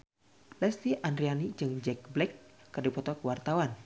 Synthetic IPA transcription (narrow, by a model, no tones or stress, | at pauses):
lɛst̪iʔandɾianid͡ʒɨŋd͡ʒɛk̚blɛkːərdipɔt̪ɔkəwart̪awan